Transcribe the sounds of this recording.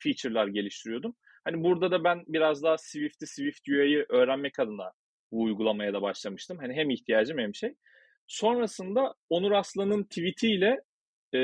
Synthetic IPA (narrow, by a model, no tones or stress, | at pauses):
fit͡ʃʰiɾlʲæɾɟe̞lʲiʃt̪ʰiɾijo̞d̪um | hanibuɾd̪ad̪abænbiɾazd̪aːsivift̪ʲisivift̪jyajɯʔø̞ːɾænmɛcʰad̪ɯna | buːjɡulˠamajad̪abaʃlˠamɯʃt̪ʰɯmɦaniɦɛmiçt̪ʰijaːd͡ʒɯmhɛmʃe̞j | so̞nɾasɯnd̪ao̞nuɾaslˠanɯnt̪ʰivit̪ʰiːjlʲɛ